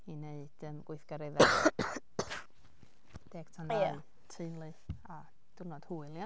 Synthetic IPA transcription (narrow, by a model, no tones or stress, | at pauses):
ineɨd̥əmɡ̥wʊθɡ̥aɾɪðɛ | d̥eːɡ̥tʰana | tʰenlˠɨθ | a | d̥ʊrnɔd̥huːɨlˠj